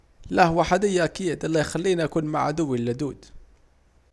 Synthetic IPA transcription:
læhʊwaħad̪əjːaʔækiːd̪lːæjxælːiːnʔækunmaʕad̪ʊwːilːæd̪uːd̪

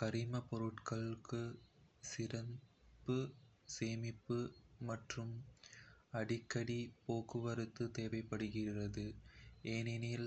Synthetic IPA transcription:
kɐɾɪmɐpɔɾɯʈkɐɭɯkːɯsɪɾɐnbɯseːmɪpːɯmɐʈrɯm | ɐɽɪkːɐɽipoːkɯʋɐɾɯt̪ːɯt̪eːʋɐɪpːɐɽɯɣɪrɐðɯʔeːnɪnil

